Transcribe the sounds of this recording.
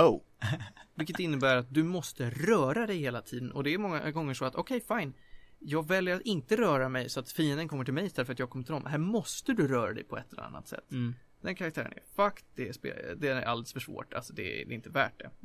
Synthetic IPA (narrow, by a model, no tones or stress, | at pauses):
o | vɪlkːət̪ɪnːəbæːɾat̪̚d̪ɵmɔst̪əɾœːɾad̪ɛjheːlat̪ʰiːd̪ənɔd̪ɛæɾmɔŋːa̰ɡɔŋːəʂɔat̪ɔkʰɛjfaɪn | jɑːɡvɛljəɾat̪ɪnt̪əɾœːɾamɛjsɔat̪fiːənd̪ənkʰɔmːəʈʰɪlmɛjɪst̪ɛlːəfœɾat̪jɑːɡkʰɔmːət̪ʰɪɔmɦæːɾmɔst̪əd̪ɵɾœːɾad̪ɛ̰jpʰɔɛt̪ʰːɛlɛ̰a̰nːa̰t̪sɛ̰t̪ː | d̪ɛnkʰaɾakt̪ʰæːɾə̰næ̰ɾfakt̪d̪ɛspḛd̪ɛæa̰ld̪sfœʂvo̰ːʈa̰lsɔd̪ɛ̰d̪ɛ̰ɪnt̪əvæ̰ːʈ̚dɛ̰